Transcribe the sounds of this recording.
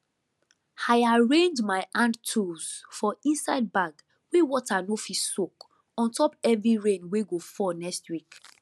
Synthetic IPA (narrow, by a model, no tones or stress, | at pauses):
aɪaɹẽndmaɪʔãndtʰusfɔĩnsaɪd̚baɡ | wewɔtanofissok | ɔ̃ntʰɔpɛvɹiɹẽnweɡofɔnɛstwik